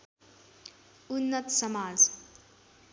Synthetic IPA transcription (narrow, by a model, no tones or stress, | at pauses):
unːət̪səmaːd͡z